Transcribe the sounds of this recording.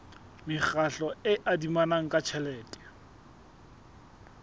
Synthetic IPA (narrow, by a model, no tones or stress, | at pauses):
mɪχaɬɔɪʔadimanaŋ̩kʼat͡ʃʰɛlɛːtʼɛ̥